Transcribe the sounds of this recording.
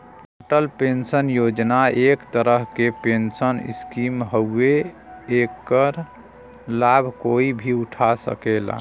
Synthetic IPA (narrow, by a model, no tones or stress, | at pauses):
ʈoʈəlpensənjod͡ʒnaekt̪əɾəɦkepensənḭskimɦəe | ekːəɾ | labʱkoibʱiuʈʰasə̰kela̰